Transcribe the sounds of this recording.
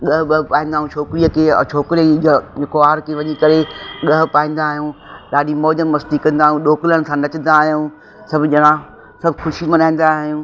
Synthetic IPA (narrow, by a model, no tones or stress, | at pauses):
ɠɐɦɡɐɦpaːĩːnd̪aːɦũt͡ʃʰoːkɪɾiəkʰḛːt͡ʃʰoːkɾiəd͡ʑeːkoaːɾkʰeʋɐɲikɐɾeɠɐɦpaːĩːn̆d̪aːɦijũːɗaːɗimɔːd͡ʑəmːɐst̪ikɐ̃nd̪aːɦijũɗoːkɪlənɪ̆sʰãnɐt͡ɕə̃n̆d̪aːɦjũː | sɐbʱʊd͡ʑɐnã | sɐbʱʊxʊʃimɐ̃naːĩːn̆d̪aɦijũː